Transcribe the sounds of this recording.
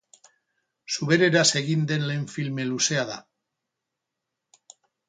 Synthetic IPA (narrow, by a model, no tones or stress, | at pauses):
suβe̞ɾe̞ɾase̞ɣind̪e̞nleɱfilme̞luse̞aða̰